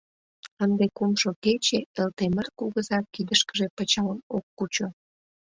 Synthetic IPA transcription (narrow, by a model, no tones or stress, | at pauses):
ənd̪ekumʃoket͡ɕeelt̪emərkuɣəzɑkːid̪əʃkəʒepət͡ɕɑləmokːut͡ɕo